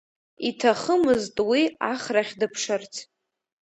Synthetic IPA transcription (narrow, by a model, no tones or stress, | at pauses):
itʰaχəmɨztʼwiaχraχʲdɨpʰʂɨrt͡sʰ